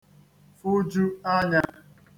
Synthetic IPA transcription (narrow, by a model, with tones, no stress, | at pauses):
fu˦d͡ʒu˦a˦ɲa˦